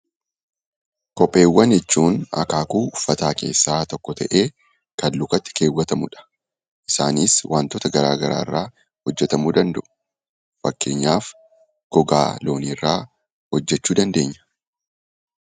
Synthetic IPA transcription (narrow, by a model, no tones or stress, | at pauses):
kɔpʼːe̞ːwːɐnjɛt͡ʃːuːnɐ̰kaːkuːʊfːɐt̪aːke̞̰ːsːaːt̪ɔkːɔt̪ɐʔe̞ː | kɐnlʊkɐt̪ːɪ̥ke̞ːwːɐt̪ɐmʊᶑɐ̥ | ʔɪsa̰ːniːswʔaːnt̪ɔt̪ɐɡɐɾaːɡɐɾa̰ːɪrːaː | hɔd͡ʒːɛt̪ɐmuːd̪ɐnd̪ɐʔʊ̥ | fɐkːe̞̰ːɲːaːf | ɡ̥ɔɡa̰ːlo̞ːniːrːaː | hɔd͡ʒːɛt͡ʃːuːd̪ɐnd̪e̞ːɲːɐ̥